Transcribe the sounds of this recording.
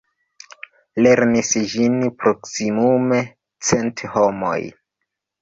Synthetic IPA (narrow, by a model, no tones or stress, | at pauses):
le̞ɾnisd͡ʒinpɾo̞ksimume̞ | t͡se̞ntho̞mo̰j